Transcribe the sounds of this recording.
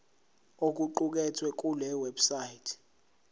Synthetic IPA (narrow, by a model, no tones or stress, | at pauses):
ok̬ʼuǃuk̬ʼɛtʰwɛk̬ʼulɛwɛbsajitʰ